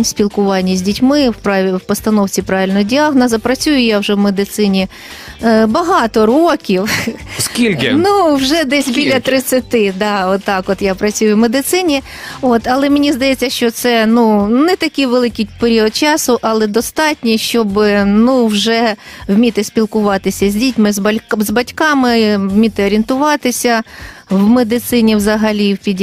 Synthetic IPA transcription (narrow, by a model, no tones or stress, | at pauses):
sʲpʲilkʊʋɑnʲːɐzʲdʲitʲmɪwpwpɔst̪ɐnɔwt͡sʲipɾɑʋʲɪlʲnɔdʲɑɦnɐzɐpɾɐt͡sʲujʊjawʒɛwmed̪ɪt̪sɪnʲi | bɐɦɑt̪ɔɾokʲiwskʲilʲkɪnuwʒɛd̪ɛsʲbʲillʲɐt̪ɾɪt͡sʲːɐt̪ɪd̪ɑɔt̪ːɑkɔt̪japɾɐt͡sʲujʊwmed̪ɪt̪sɪnʲi | ot̪ɐlˠɛmɪnʲizd̪ɐjɛt͡sʲːɐʃt͡ʃɔt̪sɛnunɛt̪ɐkʲɪjʋelˠɪkʲipeɾʲiɔd̪̚t͡ʃɑsʊʔɐlˠɛd̪ɔst̪ɑtʲnʲiʃt͡ʃɔbɪnuwʒɛwmʲit̪ɪsʲpʲilˠkʊʋɑt̪ɪsʲɐzʲdʲitʲmɪzɐzbɐtʲkɑmɪwmʲit̪ɪɔɾʲint̪ʊʋɑt̪ɪsʲɐwmed̪ɪt̪sɪnʲiwzɐɦɐlʲiwpʲidʲ